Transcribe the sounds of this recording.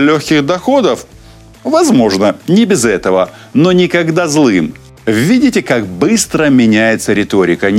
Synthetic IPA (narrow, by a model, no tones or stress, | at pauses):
lʲoxʲkʲɪɣd̪ɐxo̞d̪əf | vɐzmo̞ʐnənʲɪbʲɪzɛt̪əvə | nonʲɪkɐɡd̪azlˠɨm | vʲidʲɪtʲɪkakbɨst̪ɾəmʲɪnʲæjɪt̪səɾʲɪt̪o̞ɾʲɪkənʲ